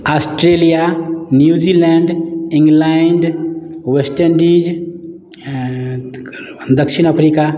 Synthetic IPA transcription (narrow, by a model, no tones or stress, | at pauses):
asʈɾelijanjud͡ʒilɛɳɖĩŋɡlaɳɖwesʈəɾnɖid͡ʒ | d̪əkʃʰinəpʰɾika